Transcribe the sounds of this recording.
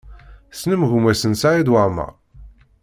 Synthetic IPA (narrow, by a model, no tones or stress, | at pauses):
snəmʝumæsənsaʕid̪waʁmə̰ʁ